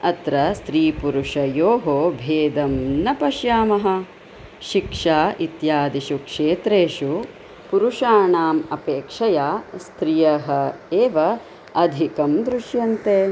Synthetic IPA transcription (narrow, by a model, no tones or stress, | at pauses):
ɐt̪ɾɐst̪ɾiːpuɾuʂɐjoːɦoːbʱeːd̪ɐmnɐpɐʃjaːmɐɦɐ̆ | ʃikʂaːʔit̪jaːd̪iʃukʂeːt̪ɾeːʃu | puɾuʂaːɳaːmɐpeːkʂɐjaːst̪ɾijɐɦɐ̆eːʋɐ | ɐd̪ʱikɐmd̪ɾuʃjɐnt̪eː